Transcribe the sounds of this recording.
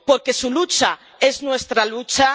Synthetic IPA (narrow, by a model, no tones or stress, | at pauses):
po̞ɾkesulut͡ʃa | e̞znwe̞st̪ɾalut͡ʃa